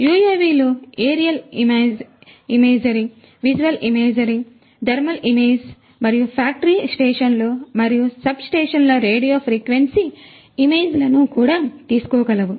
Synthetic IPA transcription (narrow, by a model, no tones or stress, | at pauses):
juːjeːʋiːloeːɾijɐlimeːd͡ʒimeːd͡ʒɐɾi | ʋid͡ʒuʋɐlimeːd͡ʒɐɾi | d̪ʱɐɾmɐlimeːd͡ʒ | mɐɾijupʰaːk̚ʈɐɾiːsʈeːʂɐnloːmɐɾijusɐbsʈeːʂɐnloːɾeːɽijoːpʰɾiːkʋensi | imeːd͡ʒlɐnukuːɽaːt̪iːsu̥kɔːɡɐlɐʋu